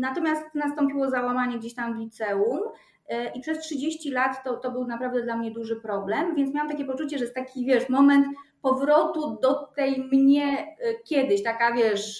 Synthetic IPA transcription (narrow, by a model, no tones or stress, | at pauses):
nat̪ɔmʲjast̪nast̪ɔmpʲiwɔzawamaɲɛɡd͡ʑeɕt̪amvlʲit̪sɛum | ʔipʂɛstʂɨd͡ʑeɕt͡ɕilat̪ːɔt̪ɔbɘwnapɾavd̪ɛd̪lamɲɛd̪uʐɘpɾɔblɛmvʲjɛnt̪mʲawamt̪akʲjɛpɔt͡ʂut͡ɕɛʐɛɛst̪akʲivʲjɛʂmɔmɛnt̪pɔvɾɔt̪ud̪ɔt̪ɛjmɲɛkʲɛd̪ɘɕt̪akavʲjɛʂ